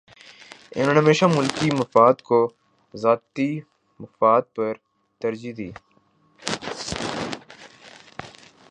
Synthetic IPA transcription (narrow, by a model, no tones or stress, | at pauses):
ɪ̰noːnẽɦəmeːʃaːmʊlkiməfaːd̪ko | zaːt̪i | məfaːd̪̚pəɾ | t̪əɾd͡ʒid̪ḭː